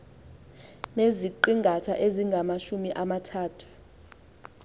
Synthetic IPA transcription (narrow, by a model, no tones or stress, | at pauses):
meziǃiŋɡʱatʰa̰ʔeziŋɡʱamaʃumiʔamatʰaːtʰu̥